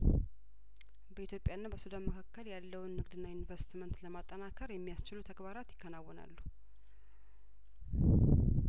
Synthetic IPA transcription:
bəʔit̪ʰjo̞pʼːjanːabəsud̪anməkʰakːəljalːəwnːɨɡd̪ɨnːajunvəɾsi̥t̪ʰimənt̪ləmat̪ʼːənakʰəɾjɛmːijast͡ʃɪlut̪ʰəɡbaɾat̪jɪkʰːənawːɔna̰lːu

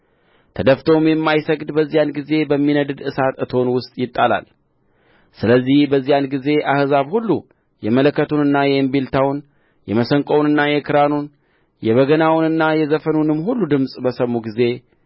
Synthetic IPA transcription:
t̪ʰəd̪əft̪ʰomjɛmːajsəɡd̪bəzːijanɡize̞bəmːinəd̪ɨd̪ɨsat̪ɨt̪ʰo̞nwʊst̪ʼjɪt̪ʼːala̰l | sɨləzːihbəzːijanɡize̞ʔahzaβhulːu | jɛmələkʰːət̪ʰunɨnːajɛɨmbilt̪ʰawn | jɛməsəŋkʼonɨnːajɛkʰɨɾanun | jɛβəɡənawnɨnːajɛzəfənunɨmːhulːud̪ɨmsʼbəsəmːuɡize̞

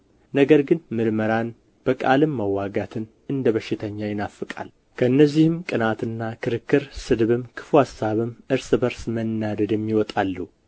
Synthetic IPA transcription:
nəɡəɾɡɨnmɨɾməɾan | b̥əkʼa̰lɨmːəwːaɡat̪ʰɨn | ɨnd̪əβəʃːɪt̪ʰəɲːajɪnafːɨkʼa̰l | kʰəɨnːəzːihɨmkʼɨnat̪ɨnːakʰɨɾɨkːɨɾsɨd̪βɨmkʰɨ̥fuhasːaβɨmʔɨɾsɨbəɾsmənːad̪əd̪jɛmːiwɔt̪ʼalːəhu

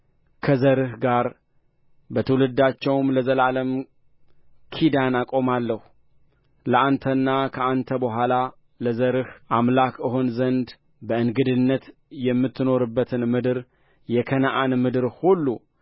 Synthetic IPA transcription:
kʰəzəɾɨhɡaɾ | bət̪ʰəwlɨd̪ːat͡ʃːɛwmləzəlaləm | kʰid̪anakʼo̞malːəhu | ləʔant̪ʰənːakʰəant̪ʰəbəɦʷala | ləzəɾɨhʔamlakʰʔɨɦo̞nzənd̪ | bəɨnɡɨd̪ɨnːət̪jɛmːɨt̪ːɨno̞ɾɨbːət̪ʰɨnmɨd̪ɨɾ | jɛkʰənaʔanmɨd̪ɨɾhulːu

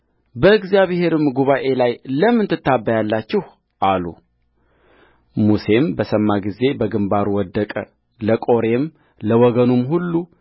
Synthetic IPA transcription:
bəɨɡzijaβhe̞ɾɨmɡuβaʔe̞lajləmːɨnt̪ʰɨt̪ːabːəjalːat͡ʃːɛh | ʔalṵ | muse̞mbəsəmːaɡize̞bəɡɨmbaɾuwɔd̪ːəkʼə | ləkʼo̞ɾe̞m | ləwɔɡənumɦulːu

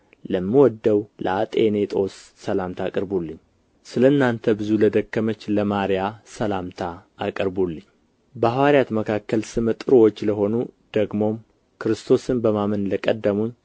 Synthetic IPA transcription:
ləmːɨwɔd̪ːəwlʔə̰at̪ʼene̞t̪ʼo̞sːəlamt̪ʰakʼəɾbulːɨɲː | sɨləɨnːant̪ʰəbɨzuləd̪əkːəmət͡ʃːləmaɾjasəlamt̪ʰaːkʼəɾbulːɨɲː | bəahwaɾjat̪məkʰakːəlsɨmət̪ʼɨɾwot͡ʃːləɦo̞nud̪̥əɡmo̞m | kʰɨɾɨst̪ʰo̞sɨnbəmamənləkʼəd̪ːəmuɲː

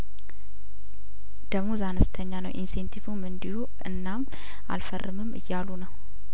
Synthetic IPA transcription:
d̪̥əmuzanəst̪ʰəɲːanə̰wʔinsent̪ʰivumɨnd̪ihu | ɨ̰nːam | ʔa̰lfərːɨmɨmːɨ̰jːalunəw

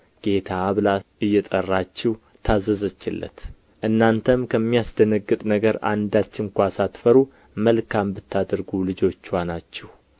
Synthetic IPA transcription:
ɡ̥e̞t̪ʰaβlaɨjːɛt̪ʼərːat͡ʃːɛw | t̪ʰazəzət͡ʃːɪlːə̰t̪ | ʔɨnːant̪ʰəmkʰəmːijasd̪ənəɡːɨt̪ʼnəɡəɾa̰nd̪at͡ʃːɪŋkʷasat̪fəɾu | məlkʰambɨt̪ːad̪əɾɡulɨd͡ʒo̞t͡ʃːwanat͡ʃːɛh

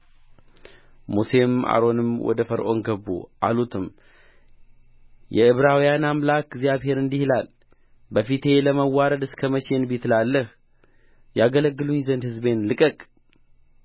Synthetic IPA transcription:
muse̞ma̰ɾo̞nɨmwɔ̰d̪əfəɾʔo̞̰nɡəbːṵʔa̰lut̪ʰɨm | jɛɨβɾawijanamlakɡzjaβhe̞ɾɨnd̪ihlal | bəfit̪ʰe̞ləməwːaɾəd̪ɨskʰəmət͡ʃʰe̞nbit̪ʰlalːəh | jaɡələɡːɨluɲzənd̪hɨzbe̞nlɨkʼəkʼ

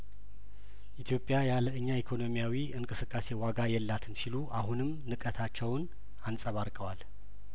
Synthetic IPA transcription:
ʔit̪ʰjo̞pʼːjajaləɨɲːaikʰo̞no̞mijawiɨŋkʼɨsɨkʼːase̞waɡajɛlːat̪ʰɨnsiluʔahunɨm | nɨkʼət̪ʰat͡ʃːɛwn | ansʼəβaɾkʼəwal

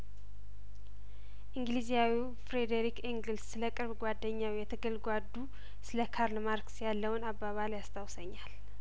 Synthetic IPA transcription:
ʔiŋɡlizijawi | fɾed̪eɾikiŋɡɨlsːɨləkʼɨɾβɡwad̪ːəɲːawijɛt̪ʰəɡəlɡʷad̪ːu | sɨləkʰaɾlmaɾksjalːəwnabːaβaljast̪ʰawsəɲːal

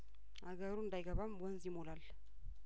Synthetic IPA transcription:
aɡəɾund̪ajɡəβamwənzimolal

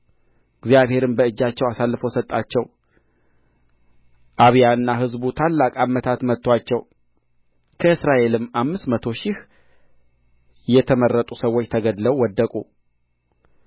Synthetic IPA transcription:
ɨɡzijaβhe̞ɾɨnbəɨd͡ʒːat͡ʃːɛwasalːɨfəwsət̪ʼːat͡ʃːɛw | ʔaβjaɨnːaɦɨzbut̪ʰalːakʼamət̪ʰat̪mət̪ːwat͡ʃːɛw | kʰəɨsɾaʔe̞lɨmːamːɨst̪mət̪ʰo̞ʃɪh | jɛt̪ʰəmərːət̪ʼusəwːo̞t͡ʃːt̪ʰəɡəd̪ləwːɔd̪ːəkʼu

